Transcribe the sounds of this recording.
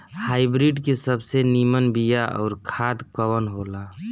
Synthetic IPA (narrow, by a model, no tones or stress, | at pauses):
haːɪbɾiɖkesəbsenimənbijaʔɔ̰ːɾkʰad̪kəwənɦola